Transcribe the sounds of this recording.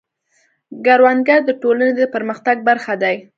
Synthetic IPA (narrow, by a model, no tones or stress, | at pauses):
ɡaɾwanɡaɾd̪əʈolaned̪əpəɾməxt̪aɡ̚baɾxad̪aj